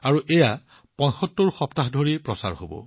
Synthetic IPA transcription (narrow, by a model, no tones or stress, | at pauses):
aɹuʔɛja | pɔ̃j̃xɔtːuɹxɔptaɦdʱoɹipɹɔsa̰ɹhobɔ̰